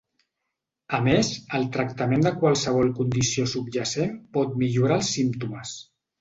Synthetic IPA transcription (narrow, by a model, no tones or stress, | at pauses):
əmezəlˠt̪ɾəkt̪əmẽnd̪əkwalˠsəβ̞ɔlˠkund̪isiosubʒəsenpɔt̪̚miʎuɾaəlˠsːimt̪uməs